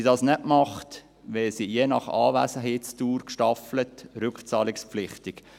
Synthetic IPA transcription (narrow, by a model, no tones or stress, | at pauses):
idɑːsnɛʔmɑχt | ʋɛsijenɑ̰χɑ̰ːvæsəɦeːtstuːɾkʃtɑflətɾʏkχt͡sɑːlɪkspflɪχtɪk